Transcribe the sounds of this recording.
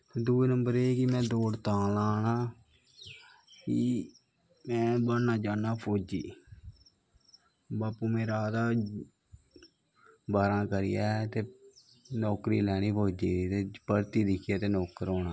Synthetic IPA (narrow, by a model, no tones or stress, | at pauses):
t̪ːd̪uːeːnəmbəɾeːkɪmɛ̃ːd̪oːt̪ãːlaːnaː | ki | mɛ̃ːbənaːd͡ʒaːnaːpʰoːd͡ʒiː | baːpuːmeːɾaːd̪aː | baːɾãːkəɾɪjaːt̪eː | nɔːkɾiːlɛːɽ̃iːpʰoːd͡ʒiːiːt̪eːpəɾt̪iːd̪ɪkʰɪjaːt̪eːnɔːkəɾoːnaː